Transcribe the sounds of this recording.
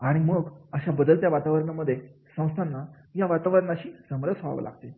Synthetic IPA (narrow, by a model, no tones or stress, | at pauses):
aɽ̃iməɡəɕabəd̪əlt̪jaʋat̪aʋəɾɳaməd̪ʱːje | sə̃w̃st̪ʰanːa | jaʋat̪aʋəɾɳaɕiːsəmɾəsaʋə̰lʔa̰ɡt̪e